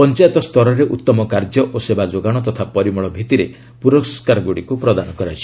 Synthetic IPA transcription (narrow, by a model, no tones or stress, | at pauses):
pɔnt͡ʃajt̪ɔst̪ʰɔɾɔɾeʔut̪ːɔmɔkaɾd͡ʒɔʔosebad͡ʒoɡaɽ̃ɔt̪ɔt̪ʰapɔɾimɔɭɔbʱit̪iɾe | puɾɔskaɾɔɡuɽikupɾɔd̪anɔkɔɾat͡ʃʰi̥